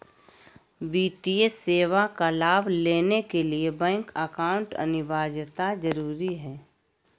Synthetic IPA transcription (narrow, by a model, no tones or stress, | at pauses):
biːt̪ieseːʋakalaːbʱleːnekeliebɛ̃ːŋkəkaːʊ̃ɳʈə̰nɪʋaːd͡ʒt̪ad͡ʒəɾuːɾiɦɛː